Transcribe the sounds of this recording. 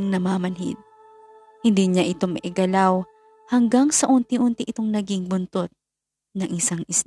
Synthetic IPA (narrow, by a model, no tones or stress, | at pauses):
ŋnɐmaːmɐnɦɪ̰d̪̚ | hɪnd̪iɲaʔɪt̪o̞mɐʔɪɡɐlaw | hɐŋɡaŋsɐʔʊnt̪ɪʔʊnt̪ɪʔɪt̪o̞ŋnɐɡiŋbʊnt̪ot̪̚ | nɐŋʔɪsaŋʔɪs